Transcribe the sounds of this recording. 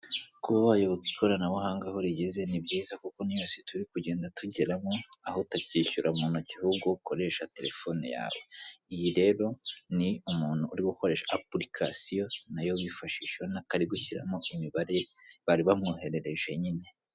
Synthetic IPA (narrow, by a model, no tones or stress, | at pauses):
kuβaβajoβokiko̞ɾanawahaːŋɡahoɾiɟeze̞nibɟiːzakuko̞nijosetuɾikuɟe̞ːndatuɟe̞ɾamoahotaciːçuɾʔaumuːnocihuɡukʰo̞ɾe̞ːʃate̞ɾe̞fo̞nḭja̰ːweijiɾe̞ɾo̞niumuːn̥huːɾiɡuko̞ɾe̞ːʃaaplikʰa̰sijo̞najowifaʃiːʃehonakaɾiɡuçiɾa̰moʔimiβaɾeβaɾiβamŋuhe̞ɾe̞ɾe̞ʒe̞ɲine̞